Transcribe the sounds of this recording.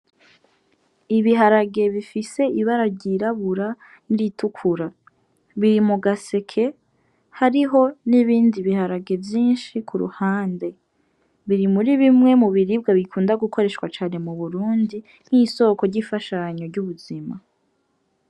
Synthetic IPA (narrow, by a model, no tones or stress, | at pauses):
iβiɦaɾaɡe̞βifise̞iβaɾaɟiɾaβuɾa | niɾitukʰuɾa | βiɾimuɡase̞kʰe̞ | haɾiɦo̞niβiːndiβihaɾaɡe̞vjiːnʃikʰuɾṵhaːnde̞ | βiɾimuɾiβimŋe̞muβiɾibɡaβikʰuːndaɡuko̞ɾe̞ʃwat͡ʃaːne̞muβuɾuːndi | n̥hiso̞ːko̞ɾɟifaʃaɲo̞ɾɟuβuz̥ima